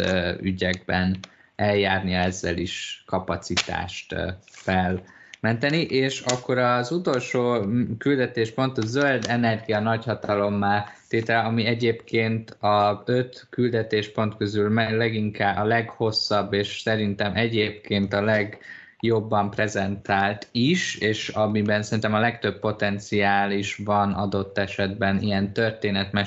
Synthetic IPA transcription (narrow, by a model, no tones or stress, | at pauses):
yɟɛɡ̚bɛn | ɛljaːrniɛzːɛ̰liʃkɒpɒt̪sit̪a̰ːʃt̪fɛl | mɛnt̪ɛniʔeːʃɒkːo̞ɾɒzut̪o̞lʃoːkyld̪ɛt̪eːʃpo̞nt̪ɒzøld̪ɛnɛrɡijɒnɒchɒt̪ɒlo̞mːaːlt̪eːt̪ɛlɛɒmiɛɟeːpkʰeːnt̪ɒøt̪kyld̪ɛt̪eːʃpo̞nt̪kø̞zylmɛlɛɡiŋkaːɒlɛɡho̞sːɒbːeːʃsɛɾint̪ɛmʔɛɟeːp̚keːnt̪ɒlɛɡ | jo̞bːɒmprɛzɛnt̪aːlt̪iʃeːʃɒmibɛnsɛɾint̪ɛmɒlɛkt̪øbpːo̞t̪ɛnt̪siaːliʃvɒnɒ̰d̪o̞t̪ːɛʃɛd̪bɛnḭjɛnt̪ø̞rt̪eːnɛt̪mɛ